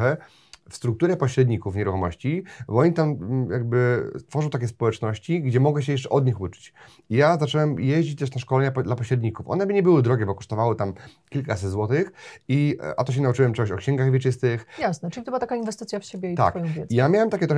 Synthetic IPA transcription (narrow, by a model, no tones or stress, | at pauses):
ɛ | fst̪ɾuk̚t̪uɾɛpɔɕɾɛd̪ɲikufɲɛɾuxɔmɔɕt͡ɕibɔɔɲit̪amjaɡ̚bɘst̪fɔʐɔw̃t̪akʲɛspɔwɛt͡ʂnɔɕt͡ɕiɡd͡ʑɛmɔɡɛɕ̬ɛjɛʂ̬t͡ʂɛʔɔd̪ɲixut͡ʂɘ̥t͡ɕ | ijazat͡ʂɛwɛmjɛʑd͡ʑit͡ɕt̪ɛʂnaʂkɔlɛɲapd̪lapɔɕɾɛd̪ɲikufʔɔ̰nɛbɘɲɛbɘwɘd̪ɾɔɡʲɛbɔkɔʂt̪ɔvawɘt̪amkʲilkasɛd̪zwɔt̪ɘxḭʔa̰t̪ɔɕ̬ɛnaut͡ʂɘwɛmt͡ʂɛɡɔɕɔkɕɛŋɡaɣvʲjɛt͡ʂɘst̪ɘxjasnɛʈ͡ʂɨlʲit̪ɔbwat̪akainvɛst̪ɘt̪sʲjafɕebʲjɛit̪a̰kʲɛijamʲjawɛmt̪akʲɛt̪ɾɔ